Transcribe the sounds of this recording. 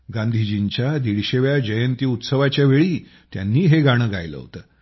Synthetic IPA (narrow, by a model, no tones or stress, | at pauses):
ɡãnd̪ʱid͡ʑint͡ɕjad̪iɽɕeʋjad͡ʑəjənt̪iːut̪səʋat͡ɕjaʋeɭiː | t̪ja̰nːiːɦeɡaɽ̃əːɡʱa̰jlə̰ɦo̰t̪əː